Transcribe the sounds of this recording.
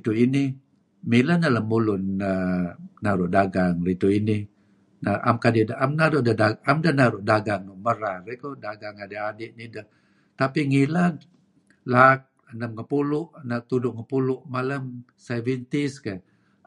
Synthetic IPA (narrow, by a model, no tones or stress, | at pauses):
it̪uʔini | milanaləmulʊnənaɾʊʔdaɡaŋrit̪uini | naʔa̰mkadidaamnaɾuʔdədaamdəhnaɾʊʔdaɡaŋməɾarekodaɡaŋadeadiʔnidəh | t̪apiŋilan | lak̚ | ənəmkəpulʊʔnat̪udʊʔŋəpulʊʔmaləm | savint̪iska